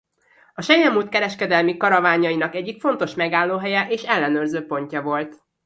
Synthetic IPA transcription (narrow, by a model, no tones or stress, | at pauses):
ɒʃɛjɛmuːt̪̚kɛɾɛʃkɛd̪ɛlmikɒɾɒvaːɲɒinɒkɛɟːikfo̞nt̪o̞ʃmɛɡaːlːoːɦɛjɛʔeːʃɛlːɛnøːrzøːpo̞ɲcɒvo̞lt̪